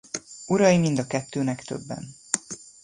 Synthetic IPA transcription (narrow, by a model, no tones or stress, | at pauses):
uɾɒjimind̪ɒkɛt̪ːøːnɛkt̪ø̞̰bːɛ̰n